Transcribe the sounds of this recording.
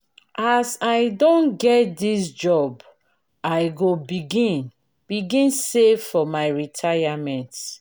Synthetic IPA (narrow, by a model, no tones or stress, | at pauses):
ʔasajdõnɡɛt̚disd͡ʒɔb | aɪɡobiɡĩn | b̥iɡĩnseffɔmaɪɹitʰajamɛ̃nt